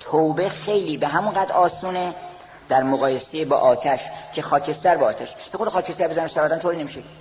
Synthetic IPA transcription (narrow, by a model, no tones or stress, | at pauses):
t̪ʰowbexe̞jliːbeɦæmunɢæːd̪ɾɒːsuːne | d̪̥æɾmoɣɒːjesejebɒ̰ːʔɒːt̪ʰæʃcʰexɒːcʰe̞st̪æɾbeɒːt̪æʃpʰexod̪æxɒːcʰest̪æɾbezænæmsæɾɒːd̪æmt̪ʰoːɾiːnemiʃe